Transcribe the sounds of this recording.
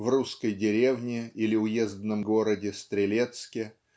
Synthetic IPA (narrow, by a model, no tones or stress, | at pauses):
vruskəjdʲɪɾʲe̞vnʲɪilʲɪʊjezd̪nəmɡo̞ɾədʲɪst̪ɾʲɪlʲe̞t̪skʲɪ